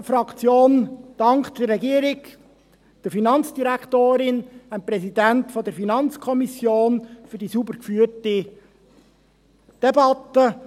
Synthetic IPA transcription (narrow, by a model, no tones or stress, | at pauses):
fɾɑkt͡sjoːnd̥ɑŋkd̪̥ərːɛɡiːəɾɪɡ | d̥əɾfinɑnt͡sd̥iɾækʰt̪oːɾɪnæmpɾɛsidæntfɔdəɾfinɑnt͡skʰɔmisjoːnfyɾdisubəɾkfyːti | d̥ɛbɑt̪ə